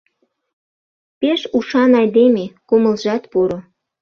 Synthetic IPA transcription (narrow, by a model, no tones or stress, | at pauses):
peʃuʃɑnɑjd̪emekoməlʒɑt̪puɾo